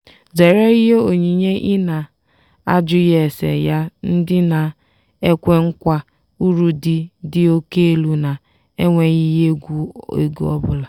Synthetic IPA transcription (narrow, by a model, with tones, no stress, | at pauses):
ze˨ɾe˦i˦ɦe˦o˨ɲi˨ɲe˦ʔɪ˦na˨ | a̰˦d͡ʒʊ˦je˨sḛ˨ja˦n̩˦dɪ˦na˨ | e˦kʷe˦ŋ̩˦kʷa˦ | u˦ɾu˦dɪ˦dɪ˦o˦ke˦e˦lu˨na˨ | e˦ŋʷe˨ɣi˦je˦ɡu˦ḛ˨ɡu˦ɔ̰˦bʊ˦la˨